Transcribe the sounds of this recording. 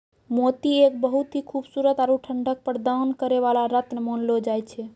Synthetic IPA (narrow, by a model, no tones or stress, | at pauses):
mot̪iek̚bəɦut̪ɦikʰubsuɾət̪aɾuʈʰəɳɖək̚pəɾd̪ankəɾeʋalaɾət̪nmonlod͡ʒajt͡ʃʰɛ